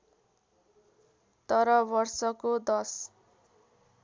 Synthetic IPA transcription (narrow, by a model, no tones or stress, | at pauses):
t̪ʌɾʌbʌrsʌkod̪ʌs